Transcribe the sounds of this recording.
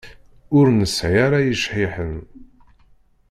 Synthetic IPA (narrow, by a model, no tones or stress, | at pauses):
ʊɾnəsʕiaɾajəʃħiħən